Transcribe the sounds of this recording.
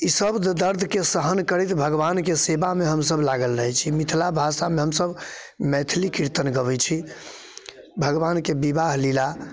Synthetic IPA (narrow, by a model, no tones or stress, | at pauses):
isəbd̪d̪əɾd̪ʱkesəɦənkəɾɛt̪bʱəɡbankesebameɦəmsəblaɡəlɾəɦɛt͡ʃʰimit̪ʰlabʱasameɦəmsəb | mɛt̪ʰlikiɾt̪ənɡəβɛt͡ʃʰi | bʱəɡbankebibaɦlila